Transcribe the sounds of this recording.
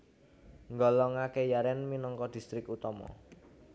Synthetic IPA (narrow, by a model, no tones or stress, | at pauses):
ŋɡɔlɔŋakejaɾɛnminɔŋkɔd̪̥i̤st̪ɾɪkut̪ɔmɔ̰